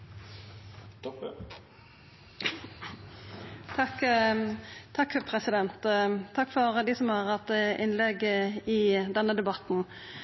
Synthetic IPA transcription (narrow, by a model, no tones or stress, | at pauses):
t̪ʰɑk̪ | ɑkːpʰɾɛsɪd̪ɛnt̪ʰːɑkːfɔɾd̪iːsɔmhɑʁɑt̪ʔɪnlɛɡɪd̪ɛnːəd̪ɛbɑt̪n̩